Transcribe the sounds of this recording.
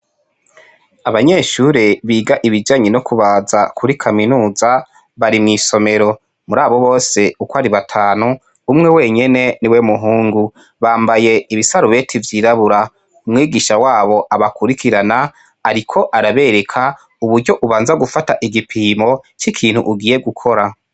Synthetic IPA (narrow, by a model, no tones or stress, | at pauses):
aβaɲe̞ʃuɾeβiːɡaʔiβid͡ʒaːɲenokuβazakʰuɾikʰaminuːza | βaɾimŋiːso̞me̞ɾo̞ | muɾaːβo̞βo̞ːse̞ukwaɾiβatʰaːnu | umŋe̞we̞ːɲe̞ne̞niwemuɦuːŋɡu | βaːmbaje̞iβisaɾuβe̞tʰivjiːɾaβuɾa | umŋiːɡiʃawaːβo̞ʔaβakuɾikʰiɾana | aɾikʰo̞ʔaɾaβe̞ɾe̞kʰa | uβuɾɟo̞ʔuβaːnzaɡufataʔiɡipʰiːmo̞t͡ʃikʰiːn̥hṵʔuɡiːje̞ɡukʰo̞ɾa